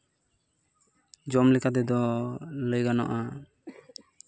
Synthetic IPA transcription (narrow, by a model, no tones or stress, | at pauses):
d͡ʒɔmlɛkat̪ɛd̪ɔləjɡanɔ̰ʔa